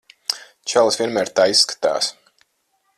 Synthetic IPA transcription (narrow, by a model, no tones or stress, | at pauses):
t͡ʃælˠsviɛnmæːɾt̪aːissːkḁt̪a̰ːs